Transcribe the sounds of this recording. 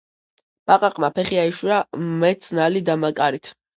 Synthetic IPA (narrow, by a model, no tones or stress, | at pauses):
b̥aqʼaqʼmapʰɛχiaiʃwamɛt̪sʰnalid̪amakʼaɾit̪ʰ